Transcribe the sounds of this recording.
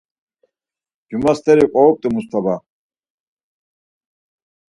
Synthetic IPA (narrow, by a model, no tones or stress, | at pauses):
d͡ʒumast̪ʰɛɾiqʼɔːk̚t̪ʼimust̪ʰaba